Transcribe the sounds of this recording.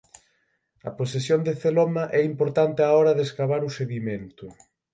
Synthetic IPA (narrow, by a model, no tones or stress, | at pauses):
ɐ̰posesjond̪eθelɔmaʔɛimpoɾt̪ant̪ɪaɔɾɐðeskaβaɾuseðiment̪ʊ